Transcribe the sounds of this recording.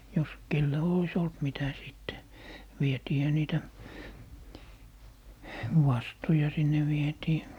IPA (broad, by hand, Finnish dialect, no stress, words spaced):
jos kelːæ ois olt mitæ siˑtːe ʋietiːhæ niːtæ wɑstu̞jɑ sinːe ʋietiː